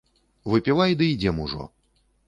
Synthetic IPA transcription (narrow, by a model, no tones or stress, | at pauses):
vɨpʲilˠajd̪ɨid͡zʲɛmuʐɔ̰